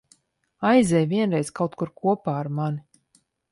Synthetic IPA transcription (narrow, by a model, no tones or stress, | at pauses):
ajzʲɛjvʲiɛnɾɛjskawt̪kuɾkuɔpaːaɾman